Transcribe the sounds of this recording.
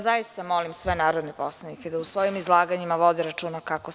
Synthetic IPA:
zaist̪amo̞limsʋenaːɾo̞d̪neposlˠaniked̪ausʋo̞jimizlˠaːɡaɲimaʋo̞d̪iɾat͡ʃuːnakako

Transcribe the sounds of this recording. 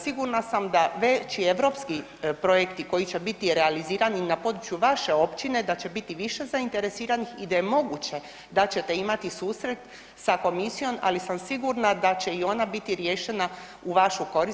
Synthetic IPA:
siɡuɾnasamd̪aʋe̞t͡ɕie̞ʋɾo̞pski | pɾo̞jekt̪iko̞jit͡ɕe̞bit̪iɾealiziːɾaninapo̞d̪ɾut͡ʃjuʋaʃe̞o̞pt͡ɕine̞d̪at͡ɕe̞bit̪iʋiʃe̞zaint̪e̞ɾe̞siːɾanixid̪aje̞mo̞ɡut͡ɕe̞ | d̪at͡ɕe̞t̪e̞imat̪isuːsɾe̞t̪ | sako̞misijo̞ma̰lisamsiɡuɾnad̪at͡ɕe̞io̞nabit̪iɾjeːʃe̞na | uʋaʃuko̞ɾi

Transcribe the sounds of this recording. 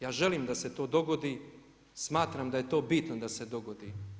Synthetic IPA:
jaːʒe̞limd̪ase̞t̪o̞ːd̪o̞ɡod̪i | smaːt̪ɾamd̪aje̞t̪o̞ːbit̪nod̪ase̞d̪o̞ɡod̪i

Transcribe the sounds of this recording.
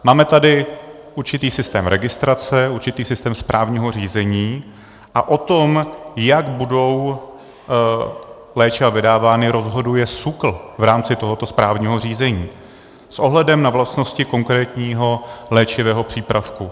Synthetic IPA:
maːmɛt̪adɪ | ʔuɾt͡ʃɪt̪iːsɪst̪ɛːmɾʔɛɡɪst̪ɾat͡sɛuɾt͡ʃɪt̪iːsɪst̪ɛːmspɾʔaːvɲiːɦo̞r̝iːzɛɲiː | ʔa̰ʔo̞t̪o̞mjaɡbudo̞w | lɛːt͡ʃɪvavɪdaːvaːnɪɾo̞zɦo̞dujɛsukl̩vɾaːmt͡sɪt̪oɦo̞t̪o̞spɾaːvɲiːɦo̞r̝iːzɛɲiː | sʔo̞ɦlɛdɛmnavlast̪no̞scɪko̞ŋkɾɛːt̪ɲiːɦo̞lɛːt͡ʃɪvɛːɦo̞pr̝̥iːpɾafku

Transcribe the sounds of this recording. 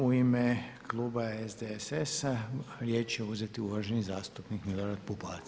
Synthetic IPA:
uimekluːbaezd̪eesesaɾje̞ːt͡ʃjeuzet̪iuʋaʒenizaːst̪upnikmilˠoɾad̪̚pupa̰ːt̪

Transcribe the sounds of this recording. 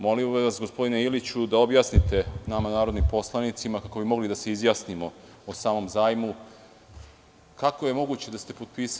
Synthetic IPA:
mo̞limʋasɡospod̪ineilit͡ɕud̪aobjaːsnit̪e̞namanaːɾod̪nimpo̞slˠanit̪simakako̞bimo̞ɡlid̪ase̞izjasnimo̞ | osaːmo̞mzaːjmu | kako̞je̞mo̞ɡuːt͡ɕe̞d̪ast̪e̞pot̪̚piːs

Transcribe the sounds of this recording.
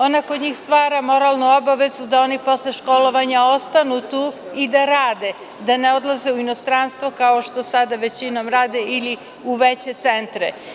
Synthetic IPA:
o̞nako̞d̪ɲiːxst̪ʋaːɾamo̞ɾalˠnuo̞baʋe̞zud̪ao̞nipo̞sleʃko̞lo̞ʋaɲao̞st̪anut̪uːid̪aɾaːd̪e̞ | d̪ane̞o̞d̪lˠaze̞uino̞st̪ɾanst̪ʋo̞kaoʃt̪o̞sad̪aʋe̞t͡ɕino̞mɾaːd̪eili | uʋet͡ɕe̞t̪se̞nt̪ɾḛ

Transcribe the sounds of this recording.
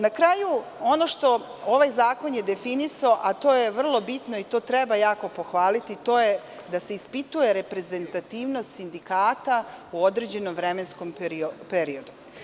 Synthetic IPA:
nakɾajuo̞no̞ʃt̪o̞ | oʋajzaːko̞nje̞d̪efinisaoʔat̪o̞ːjeʋr̩lˠo̞bit̪noit̪o̞ːt̪ɾɛbajaːko̞po̞xʋaːlit̪it̪o̞ːje | d̪ase̞ispit̪uje̞ɾe̞pɾe̞ze̞nt̪at̪iːʋno̞st̪sind̪ikaːt̪auo̞d̪ɾed͡ʑe̞nomʋɾemensko̞mpɾiopeɾio̞d̪u

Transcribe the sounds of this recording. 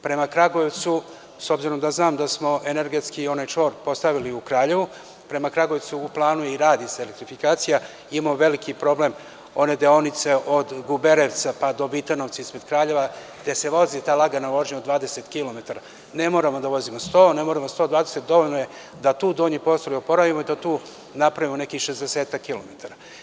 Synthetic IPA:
pɾe̞makɾaɡoet̪su | so̞bziɾo̞md̪aznaːmd̪asmo̞e̞ne̞ɾɡet̪skiːo̞najt͡ʃo̞ːɾpo̞st̪aʋiliukɾaːʎe̞ʋu | pɾe̞makɾaɡoet̪suːplˠaːnujeiɾaːd̪iseelekt̪ɾifikaːt̪sija | imamoʋe̞likipɾo̞ble̞m | o̞ne̞d̪eo̞nit̪se̞ʔo̞d̪ɡubeɾeʋt̪sapad̪o̞ʋit̪anoʋ̪saispɾe̞d̪kɾaːʎe̞ʋa | d̪e̞se̞ʋo̞zit̪aːlˠaɡanaʋo̞ʒɲeod̪ʋaːd̪e̞set̪kilo̞me̞t̪aɾa | ne̞mo̞ːɾamod̪aʋo̞zimost̪o̞ːne̞moːɾamost̪o̞ːd̪vaːd̪eset̪̚d̪o̞ʋoʎnoje̞ | d̪at̪uːd̪oɲipo̞st̪oliopo̞ɾaʋimoid̪at̪uː | napɾaʋimone̞kixʃe̞zd̪eseːt̪akːilo̞met̪aɾa

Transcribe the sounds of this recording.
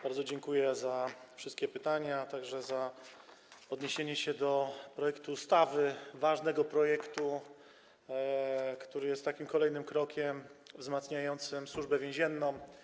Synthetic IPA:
b̥aɾd̪zɔd͡ʑɛŋkujɛzafʂɨst̪̚kʲɛpɘt̪aɲat̪aɡʐɛza | ɔd̪ɲeɕeɲɛɕɛd̪ɔpɾɔjɛkt̪uːst̪avɘvaʐnɛɡɔpɾɔjɛkt̪u | kt̪uɾɘjɛst̪ːakʲimkɔlɛjnɘmkɾɔkʲɛmvzmat̪sɲajɔnt̪sɘmswuʐbɛvʲjɛ̃ʑɛnːɔ̃m

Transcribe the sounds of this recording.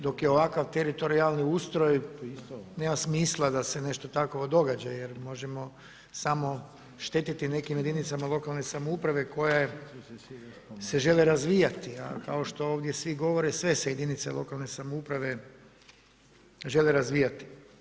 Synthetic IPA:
d̪o̞kjeo̞ʋakaʋt̪eɾit̪o̞ɾialˠniust̪ɾo̞j | nemasmiːslˠad̪ase̞ne̞ʃt̪o̞t̪akʋo̞d̪o̞ɡad͡ʒajeɾmo̞ʒemo̞ | samo̞ | ʃt̪e̞t̪it̪ine̞kimjed̪init̪samalˠo̞kalˠnesamoupɾaʋe̞ko̞ja | se̞ʒe̞leɾazʋiːjat̪ia̰kao̞ʃt̪o̞oːʋd̪je̞sʋiɡo̞ʋo̞ɾesʋe̞sejed̪init̪selo̞kalne̞samoupɾaʋe̞ | ʒe̞leɾazʋijat̪i̥

